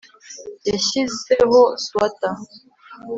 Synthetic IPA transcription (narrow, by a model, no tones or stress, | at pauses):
eʃiseɣoswata